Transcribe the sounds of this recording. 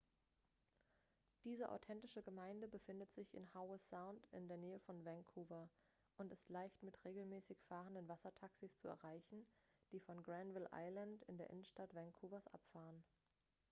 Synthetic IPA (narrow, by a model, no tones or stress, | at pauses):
d̥iːzəʔa̰ʊtʰɛntɪʃəɡəmaɪndəbəfɪndətz̥ɪçɪ̰nhaʊəsaʊntɪ̰ndeːɐneːəfɔnvɛŋkʰuːvɐ | ʔʊntɪstlaɪçtmɪtʁeːɡl̩mɛːsɪçfaːʁəndənvasɐtʰaksist͡suɛ̰ɐʁaɪçn̩d̥iːfɔnɡʁɛnvɪlʔa̰ɪlantɪndeːɐʔɪnən̩ʃtatv̥ɛŋkʰuːvɐsʔa̰pfaːʁən